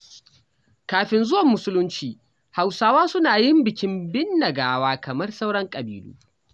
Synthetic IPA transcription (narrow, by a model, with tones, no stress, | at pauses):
kaː˨ɸɪ˨nzʊ˦wɐ˨mːʊ˦sʊ˦lʊ˦nt͡ʃiː˨ | ha˨wsaː˦waː˦sʊ˦naː˨jɪ˦mbɪ˨kʲɪ˦mbɪ˦nːɐ˨ɡaː˦waː˦kɐ˨mɐ˦rsa˦wɽɐ˦ŋkʼɐ˨biː˨lṵː˦